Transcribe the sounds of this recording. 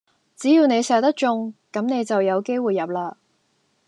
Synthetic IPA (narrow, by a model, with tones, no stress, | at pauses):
t͡siː˨˥jiː˧wne˨˧jsɛː˨˧t̪ɐ˥k̚t͡ʃʊ˧ŋkɐ˨˥mne˨˧jt͡sɐ˨wjɐ˨˧wke˥jwuː˨jːɐ˨p̚laː˧